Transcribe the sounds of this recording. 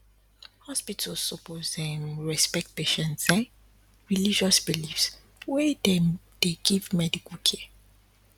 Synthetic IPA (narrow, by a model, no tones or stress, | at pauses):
hɔspitʰəlsɔpozdɛ̃nɹɛspɛk̚t̚peʃɛ̃ntsɛ̃n | ɹilid͡ʒɔsbilifs | wɛdɛ | d̥eɡivmɛdikəlkʰɛ